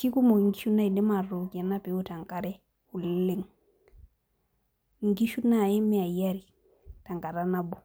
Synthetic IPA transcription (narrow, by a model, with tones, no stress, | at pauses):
ki˦ku˦mo˨ŋɡi˦ʃu˦na˦i˨dɛ˦ma˨ɾo˨ki˨a˨na˦pe˨˦o˦ta˨ŋka˨ɾɛ˦ | u˨llːe˦ŋ | ŋɡi˦ʃu˦na˦˨ɛ˦mɛ˦a˨ja˦ɾi˨ | ta˨ŋka˨ɾa˦na˦bo˨